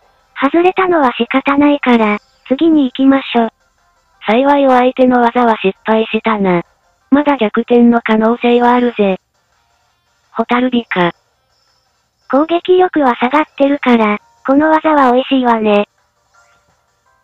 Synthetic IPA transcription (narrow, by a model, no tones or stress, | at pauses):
hazɨɾe̞t̪ano̞βaɕikat̪anaikaɾa | t͡sɨɡʲiɲ̟iːkʲimaɕo̞ː | saiβaio̞aet̪e̞no̞βazaβaɕipːaiɕit̪ana | mad̪aɡʲakɯ̟t̪ẽ̞nːo̞kano̞ːse̞ːβaːɾɯ̟ze | ho̞t̪aɾɯ̟ɾʲika | kõ̞ŋɡe̞kʲijo̞kɯ̟βasaɡat̪ːe̞ɾɯ̟kaɾa | ko̞no̞βazaβao̞iɕiːβane̞